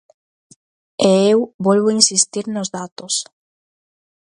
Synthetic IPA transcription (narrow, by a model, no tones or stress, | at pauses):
eewbɔlβoinsist̪iɾnozðat̪os